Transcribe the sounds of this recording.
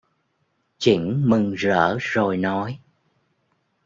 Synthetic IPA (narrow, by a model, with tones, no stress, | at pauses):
t͡ɕi˧˩ŋmɨ˨˩ŋzə̰ː˧˩zo˨˩jnɔ˨˦j